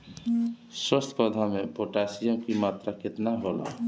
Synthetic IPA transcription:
sɔst̪ʰpɔd̪ʱamepoʈasijəmkimat̪ɾaket̪naɦola̰

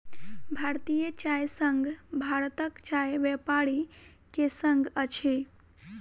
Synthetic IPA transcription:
bʱaɾt̪ijət͡ʃajsəŋɡʱbʱaɾt̪əkt͡ʃajʋepaɾi | kesəŋɡʱət͡ʃʰe

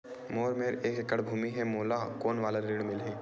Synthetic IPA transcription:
moːɾmeːɾeːkkəɽbʱuːmiɦɛmoːlakoːnʋaːləɾiːɽmɪlɦiː

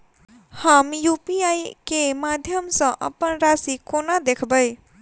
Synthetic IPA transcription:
həmjupiajkemad̪ʱjəmsʌ̃ʔə̰pənɾasikonad̪ekʰbəj

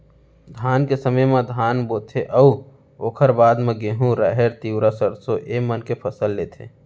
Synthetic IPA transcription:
d̪ʱaːnkesəməjmãd̪ʱaːnboːt̪ʰeʔɐu | oːkʰəɾbaːd̪mẽɡeɦũɾaɦeɾt̪iːwɾasəɾsoʔeːmənkepʰəsəlːeːt̪ʰḛː

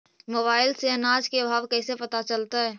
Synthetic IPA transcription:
moːbaːɪlseɐnaːd͡ʒkeəbʱaːʋkɛːsepɐt̪at͡ʃəlt̪aɦɛː

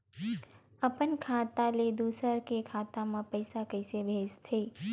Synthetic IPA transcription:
əpənkʰat̪aled̪usəɾkekʰat̪amãpəjsakəjsebʱed͡ʒt̪ʰəi

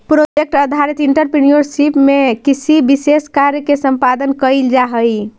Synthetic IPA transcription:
pɾod͡ʒek̚ʈəd̪ʱaɾit̪iɳʈəɾpinijoɾsipmekisʰibiseskaɾjəkesəmpad̪ənkəjld͡ʒaɦəj

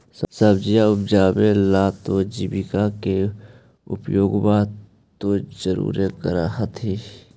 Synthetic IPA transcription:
ssəbd͡ʒijaʊp̚d͡ʒaːbelaːt̪od͡ʒibikake | ʊ̰pjoːɡba | t̪od͡ʒəɾṵːɾekəɾa̰ɦət̪ʰi

